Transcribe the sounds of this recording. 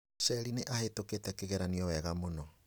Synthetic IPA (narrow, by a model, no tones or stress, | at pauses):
sɛɾineʔahetoketɛkeɣɛɾaniɔwɛɣamonɔ